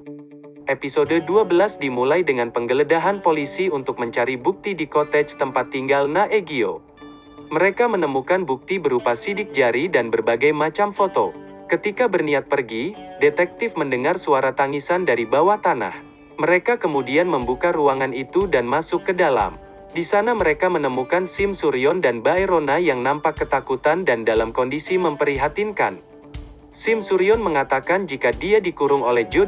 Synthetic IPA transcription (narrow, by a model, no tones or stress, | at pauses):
ʔepisodəduabəlasdimulajdəŋanpəŋɡələdaɦanpolisiunt̪ʊk̚məɲt͡ʃaɾibuk̚t̪idikot̪ɛd͡ʒt̪əmpat̪ːiŋɡalnaʔeɡio̰ | məɾekamənəmukanbuk̚t̪ibəɾupasidɪk̚d͡ʒaɾidanbərbaɡajmat͡ʃamfot̪o̰kət̪ikabərniat̪̚pərɡidet̪ɛk̚t̪ɪfməndəŋarsuaɾat̪aŋisandaɾibawaht̪ana̰h | məɾekakəmudianməmbukaɾuaŋanit̪udanmasʊkːədala̰m | disanaməɾekamənəmukansɪmsuɾiɔndanbaeɾonajaŋnampakːət̪akut̪andandalamkɔndisiməmpəɾiɦat̪inka̰n | sɪmsuɾiɔnməŋat̪akand͡ʒikadiadikuɾʊŋolɛhd͡ʒu